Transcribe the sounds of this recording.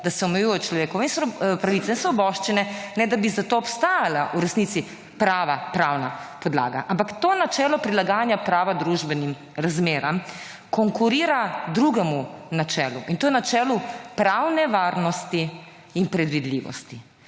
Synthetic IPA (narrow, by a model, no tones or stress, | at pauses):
d̪asɛɔmɛjujɛt͡ʃlɔʋekɔʋainspɾaʋit̪sainsʋɔbɔʃt͡ʃinɛnɛd̪abizat̪oːpst̪aːjalaʔuɾɛsnit̪si | pɾaːʋapɾaːwnapɔd̪la̰ːɡa̰ʔampakt̪oːnat͡ʃɛːlɔpɾilaɡaːnjapɾaːʋad̪ɾuʒbɛnim | ɾazmeːɾam | kɔŋkuɾiːɾad̪ɾuɡɛmunat͡ʃɛːluʔint̪oːjɛnat͡ʃɛːlupɾawnɛʋaːɾnɔst̪iː | npɾɛd̪ʋid̪lḭːʋɔ̰st̪i